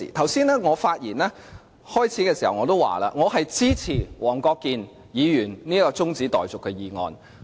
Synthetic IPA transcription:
ḭː˨˩t̪ʰɐ˨˩wsiː˥nɛː˥ŋɔː˨˧faː˧t̚jiː˨˩nɛː˥ | hɔː˥jt͡sʰiː˨˥kɛː˧si˨˩hɐ˨˩wŋɔː˨˧t̪̬o˥wa̰ː˨˩la̰ː˧ŋɔː˨˧ɦɐ˨jt͡siː˥t͡sʰiː˨˩wɔː˨˩ŋkɔː˧kːiː˨n | jiː˨˧jyː˨˩nniː˥kɔː˧t͡sʊ˥ŋt͡siː˨˥t̪ɔː˨˩jt͡sʊ˨kʰːɵ˨˧ɥjiː˨˧ŋɔ̰ː˧n

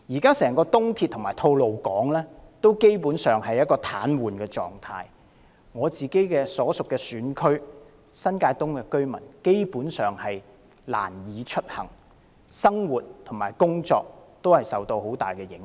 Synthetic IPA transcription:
jiː˨˩kaː˥sɛː˨˩ŋkɔː˧t̪ʊ˥ŋt̪ʰiː˧t̪̚ʰːʊ˨˩maː˨˩jt̪ʰo˧wlo˨wkɔː˨˥ŋlɛː˥t̪o˥wke˥jpuː˨˥nsœː˨ŋhɐ˨jɐ˥t̚kɔː˧t̪ʰa̰ː˨˥nwuː˨˩nkɛː˧t͡sɔ̰ː˨ŋt̪ʰa̰ː˧j | ŋɔː˨˧t͡siː˨ke˨˥jkɛː˧sɔː˨˥sʊ˨kːɛː˧syː˨˥nkʰɵ˥ɥ | sɐ˥nkaː˧jt̪ʊ˥ŋkɛː˧kɵ˥ɥmɐ̰˨˩nke˥jpuː˨˥nsœː˨ŋhɐ˨j | la̰ː˨˩njiː˨˧t͡ʃʰɵ˥t̚hɐ̰˨˩ŋ | sɐ˥ŋwuː˨˩t̚t̪ʰŋmaː˨˩jkʊ˥ŋt͡sɔ̰ː˧k̚t̪o˥whɐ˨jsɐ˨wt̪o˧who˨˥wt̪a̰ː˨jkɛ˧jɪ˨˥ŋ

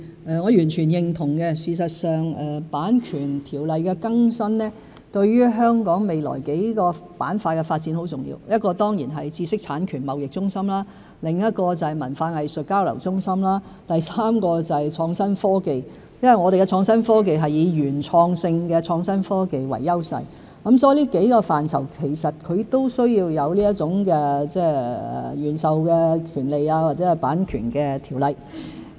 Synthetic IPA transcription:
ʔɛː˨˧ŋɔː˨˧jyː˨˩nt͡ʃʰyː˨˩njɪ˨ŋt̪ʰʊ˨˩ŋkɛ˧siː˨˩sɐ˨t̚sœː˨ŋɛː˨paː˨˥nkʰyː˨˩nt̪ʰiː˨˩wlɐ˨jkɛ˧kɐ˥ŋsɐ˥nlɛː˥ | t̪ɵ˧ɥɥyː˥ɦœː˥ŋkɔː˨˥ŋme˨jlɔ̰ː˨˩jke˨˥jkɔː˧pa̰ː˨˥nfaː˧kɛ˧faː˧t̚t͡siː˨˥nho˨˥wt͡sʊ˨ŋjḭː˧wjɐ˥t̚kɔː˧t̪ɔː˥ŋjiː˨˩nɦɐ˨jt͡siː˧sɪ˥k̚t͡sʰaː˨˥nkʰyː˨˩nmɐ˨wjɪ˨k̚t͡sʊ˥ŋsɐ˥mlaː˥ | lɪ˨ŋjɐ˥t̚kɔː˧t͡sɐ˨mɐ̰˨˩nfaː˨˧nhɐ˨jsɵ˨t̚kaː˥wlɐ̰˨˩wt͡sʊ˥ŋsɐ˥mlaː˥ | t̪ɐ˨jsaː˥mkɔː˧t͡sɐ˨jt͡ʃʰɔː˧ŋsɐ˥nfɔː˥ke˨j | jɐ˥nwɐ˨jŋɔː˨˧e˨jkɛ˧t͡sʰɔː˧ŋsɐ˥nfɔː˥k̬e˨jɦɐ˨jjiː˨˧jyː˨˩nt͡sʰɔː˧ŋsɪ˧ŋkɛː˧t͡sʰɔː˧ŋsɐ˥nfɔː˥ke˨jwɐ̰˨˩jːɐ˥wsɐ̰˨j | kɐ˨˥msɔː˧˥jliː˥ke˨˥jkɔː˧faː˨˩nt͡sʰɐ̰˨˩wkʰe˨˩jsɐ˨t̚kʰɵ˨˧ɥt̪o˥wsɵ˥ɥjiː˧wjɐ˨˧wliː˥jɐ˥t̚t͡sʊ˨˥ŋkɛː˧t͡sɛː˥ɛ̰˨˩jyː˨˩nsɐ˨wkɛː˧kʰyː˨˩nle˨jaː˧waː˨t̚t͡sɛ˨˥hɐ˨jpaː˨˥nkʰy̰ː˨˩nkɛ˧t̪ʰiː˨˩wlɐ˨˧j

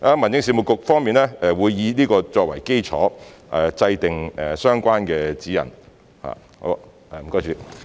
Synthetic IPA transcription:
aː˧˥mɐ˨˩nsɪ˨˥ŋsi˨˧mʊ˨˧kːʊ˨k̚fɔː˥ŋmiː˨nɛː˥ɛ˧wuː˨˧jːiː˧niː˥kɔː˧t͡sɔː˧k̚wɐ˨˩jke˥jt͡sʰɔ̰ː˨˥ʔɛ˨˩t͡sɐ˧jt̪ɪ˨ŋɛ˨˩sœː˥ŋkʷaː˥nkɛː˧t͡siː˨˥jɐ̰˨˩n | ha̰ː˨ | ho̰˨˥˧ | ɛ˨m̩˨˩kɔː˥jt͡ʃyː˨˧

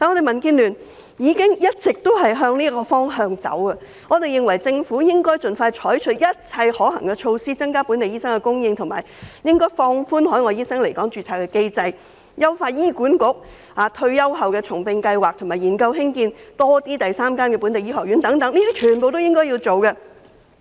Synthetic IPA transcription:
t̪aː˨nɔː˨˧ɾe˨jmɐ˨˩nkiː˧nlyː˨˩n | jiː˨˧kɪ˥ŋjɐ˥t̚t͡sɪ˨k̚t̪o˥wɦɐ˨˩jɦœː˧ŋliː˥kɔː˧fɔː˥ŋɦœː˧ŋt͡sɐ̰˨˥wkɐ˧ | ŋɔː˨˧t̪e˨jɪ˨ŋwɐ˨˩jt͡sɪ˧ŋfuː˨˥jɪ˥ŋkɔː˥jt͡sɵ˨nfaː˧jt͡ʃʰɔː˨˥jt͡ʃʰɵ˨˥t̚jɐ˥t̚t͡sʰɐ˧jhɔː˨˥ɦɐ˨˩ŋkɛ˧t͡ʃʰo˧wsiː˥t͡sɐ˥ŋkaː˥puː˨˥nt̪e˨jiː˥sɐ˥ŋkɛ˧kʊ˥ŋjɪ˧ŋt̪ʰʊ˨˩ma̰ː˨˩jjɪ˥ŋkɔː˥jfɔː˧ŋfuː˥nɦɔː˨˥jŋɔː˨˧jiː˥sɐ˥ŋle˨˩jkɔː˨˥ŋt͡ʃyː˨˩t͡sʰaː˨˩wkɛ˧ke˧jt͡sɐ˧j | jɐ˥wfaː˧jiː˥kuː˨˥nkʊ˨˥k̚ | haː˨˧t̪ʰɵ˧ɥjɐ˥wɦɐ˨wkɛː˧t͡sʰʊ˨˩ŋpɪ˧ŋkɐ˧jwaː˨k̪̚ʰʊ˨˩ŋmaː˨˩jiː˨˩nkɐ˧wɦɪ˥ŋkiː˧nt̪ɔː˥t̪iː˥t̪ɐ˨jsaː˥mkaː˥nkɛː˧puː˨˥nt̪e˨jiː˥ɦɔː˨˩k̚ɥy˨˥nt̪ɐ˨˥ŋt̪ɐ˨˥ŋliː˥d̪iː˥t͡ʃʰyː˨˩npo˨wt̪o˥wjɪ˥ŋkɔː˥jiː˧t͡so˨wkɐ˧

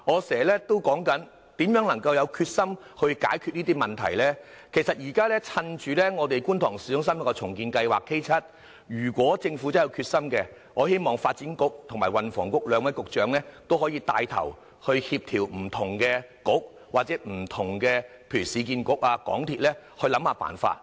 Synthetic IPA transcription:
ŋɔː˨˧sɛː˨˩lɛː˥t̪o˥wkɔː˨˥ŋkɐ˨˥n | t̪iː˨˥mjœː˨˥ŋnɐ˨˩ŋkɐ˧wjɐ˨˧wkʰyː˧t̚sɐ˥m | hɵ˧ɥka̰ː˨˥jkʰy˧t̚niː˥t̪iː˥mɐ˨˩nt̪ʰɐ˨˩jlɛː˥ | kʰe˨˩jsɐ˨t̚jiː˨˩kaː˥lɛ˥t͡sʰɐ˧nt͡ʃyː˨˧lɛː˥ŋɔː˨˧t̪e˨jkuː˥nt̪ʰɔː˨˩ŋsiː˨˥jʊ˥ŋs̬ɐ˥mjɐ˥kɔ˧t͡sʰʊ˨˩ŋkiː˧nkɐ˧jwaː˨kʰːe˥jt͡sʰɐ˥t̚ | jyː˨˩kʷwɔː˨˥t͡sɪ˧ŋfuː˨˥t͡sɐ˥jɐ˨˧wkʰyː˧t̚sɐ˥mkɛ˧ | ŋɔː˨˧he˥jmɔː˨˩ŋfaː˧t̚t͡siː˨˥nkʊ˥k̚t̪ʰʊ˨˩ŋmaː˨˩jwɐ˨nfɔ̰ː˨˩ŋkʊ˥k̚lœː˨˧ŋwɐ˨˥jkʊ˨k̚t͡ʃœː˨˥ŋlɛː˥t̪o˥whɔː˨˥jiː˧t̪aː˧jt̪ʰɐ̰˨˩w | hɵ˧ɥhiː˧p̚t̪ʰiː˨˩wm̩˨˩t̪ʰʊ˨˩ŋkɛː˧kʊ˨˥k̚ | waː˨t̚t͡sɛː˨˥m̩˨˩t̪ʰʊ˨˩ŋkɛ˧pʰe˧˨˩y˨˩siː˨˧kiː˧nkʊ˨˥k̚aː˧kɔ̰ː˨˥ŋt̪ʰiː˨t̚lɛː˥hɵ˧ɥlɐ˨˥mhaː˨˧pa̰ː˨˩nfa̰ː˧t̚

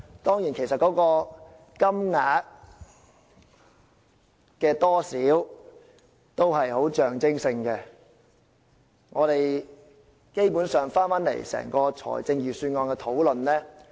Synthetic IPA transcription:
t̪ɔː˥ŋjiː˨˩nkʰe˨˩jsɐ˨t̚kɔː˨˥kɔː˧ | kɐ˥mŋaː˨˥t̚ | kɛː˧t̪ɔː˥siː˨˥w | t̪o˥whɐ˨jho˨˥wt͡ʃœː˨˩ŋt͡sɪ˥ŋsɪ˧ŋkɛ˧ | ŋɔː˨˧ɾe˨j | ke˥jpuː˨˥nsœː˨ŋfaː˥nfaː˨˥nlḛ˨˩jsɛ̰ː˨˩ŋkɔː˧t͡sʰɔ̰ː˨˩jt͡sɪ˧ŋjyː˨syː˧nŋɔː˧nkɛː˧t̪ʰo˨˥wlɵ˨nlɛː˥

